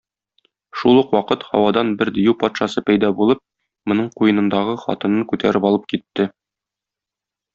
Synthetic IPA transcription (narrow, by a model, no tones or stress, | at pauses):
ʃulˠɤqwɒqɤt̪hɒ̰wɑd̪ɑnbɘɾd̪ĭjupɒt̪ʃɑsɤpæjd̪ɑbulˠɤp̚ | mŏnɤɴqujɤ̆nɤ̆nd̪ɑʁɤχɒ̰t̪ɤ̆nɤɴkʉt̪ʰæ̰ɾɘpɒlˠɤp̚kit̪ːɘ